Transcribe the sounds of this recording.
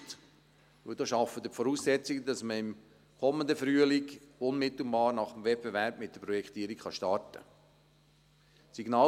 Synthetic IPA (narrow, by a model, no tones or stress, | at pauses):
t | ʋɵld̥̪ɑːʃɑfəd̥əfɔɾuːsːɛt͡siɡədɑsməɪm | kʰɔmənd̪əfɾyːəlikʊnmɪt̪l̩bɑːɾnɑχəmvɛp̚b̥evɛɾbmɪt̚d̥əpɾɔjɛkʰt̪iːɾikχɑʃtɑɾtə̰ | siɡnɑː